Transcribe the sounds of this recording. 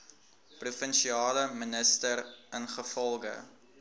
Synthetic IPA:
prufənʃiɑːləmənəstərənχəfɔlˠɡə̰

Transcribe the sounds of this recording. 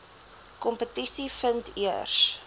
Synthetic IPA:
kɔmpətisifəntiərs

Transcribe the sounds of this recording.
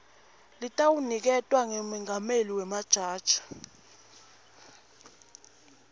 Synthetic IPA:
litʼawunik̬ɛtʼwaŋemiŋʱameliwɛmad̥ʒ̥ʱaːd̥ʒ̥ʱḁ

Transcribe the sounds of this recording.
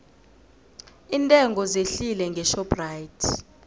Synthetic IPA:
intʼɛŋʱɔzeɬilɛŋɡʱɛʃɔprajitʰ

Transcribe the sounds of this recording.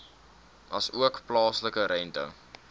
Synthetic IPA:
ɐsuəkplɑːsləkəɾʔɛntə̰

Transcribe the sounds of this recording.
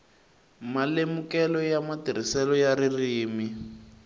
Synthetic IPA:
malemukɛlɔjamatiɾ̤isɛlɔjaririːmi

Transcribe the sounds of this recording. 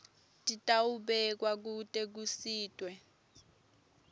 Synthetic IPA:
tʼitʼawuɓɛk̬wak̬utʼek̬usiːtʼwɛ

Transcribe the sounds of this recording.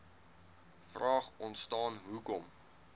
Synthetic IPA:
frɑːχɔntstɑːnɦukɔm

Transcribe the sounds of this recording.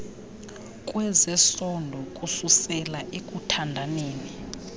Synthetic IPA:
kʼwɛzɛsɔndʱɔkʼususɛlaʔekʼutʰandʱaneːni

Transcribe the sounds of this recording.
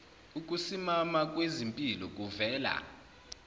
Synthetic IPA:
uk̬ʼusimamak̬ʼwezimpʼilɔk̬ʼuvɛːla̰

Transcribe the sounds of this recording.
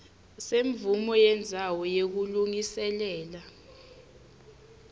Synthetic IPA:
seɱbvumɔjɛnd͡zʱawɔjek̬uluŋisɛlɛːla

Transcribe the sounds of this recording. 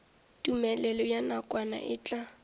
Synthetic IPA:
tʼumɛlɛlɔjanakʼwana̰ʔɪt͡ɬʼa

